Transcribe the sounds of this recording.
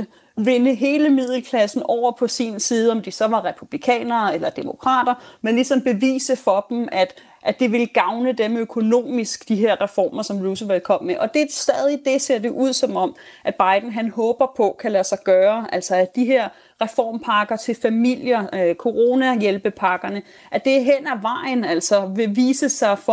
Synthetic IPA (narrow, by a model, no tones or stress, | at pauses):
ʋe̝nəɦe̝ːləmið̰ˠl̩kʰlæsn̩ɒʊ̰ɐpʰɒ̽sinsiːð̞̩ˠəɒ̽md̥isɒ̽ʋɑ̈ʁɛpʰub̥likʰɛ̰ːnɐːelɐd̥e̝mo̝kʰʁɑ̰̈ːd̥ɐmenlisɒ̽mb̥e̝ʋḭːsəfɒ̽d̥m̩æd̥ | ʔæd̥iʋe̝lɡ̥ɑ̈ʊnəd̥emøkʰo̝no̝̰ːmisɡ̥d̥iɦe̝ɐ̰ʁɛfɒ̰ːmɐsɒ̽mʁuːsəʋelkʰɒ̽m̰meʔɒ̽d̥e̝sd̥ɛːð̞ˠid̥e̝se̝ɐ̰d̥e̝ʔuð̞̰ˠsɒ̽mɒ̽m̰ʔæb̥ɑ̈ɪd̥n̩ɦænhɔːb̥ɐpʰɒ̽kʰælæsɑ̈ɪɡ̥ɶːɐʔæl̰sɒ̽æd̥iɦeɐ̰ | ʁɛfɒ̰ːmpʰɑ̈ɡ̥ɐt͡sʰe̝lfæmil̰jɐkʰo̝ʁo̝ːnæjelb̥əpʰɑ̈ɡ̥ɐnə | ʔæd̥e̝ɦen̰æʋɑ̈ɪ̰n̩æl̰sɒ̽ʋe̝ʋiːsəsɑ̈ɪfɒ